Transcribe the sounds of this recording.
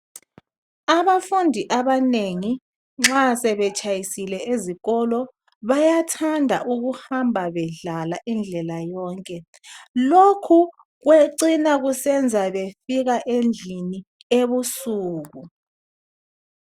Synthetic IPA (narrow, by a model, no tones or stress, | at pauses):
aβafundʱiʔaβaneŋi | ŋ͡ǁasɛβɛt͡ʃʼajisilɛeziɣɔlɔ | βajatʰandʱaʔuɣuhambʱaβɛɮalaʔind͡ɮʱɛlajɔːŋkʼɛ | lokʰu | ɣweǀinaɣusɛnd͡zʱaβefiɣaʔend͡ɮʱini | eβusuːɣu